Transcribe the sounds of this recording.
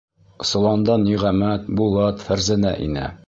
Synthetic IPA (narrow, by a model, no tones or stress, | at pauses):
sŏlˠɑnd̪ɑnːiʁæmæt̪̚bulˠɑt̪fæɾzænæ̰ʔḭnɘ̰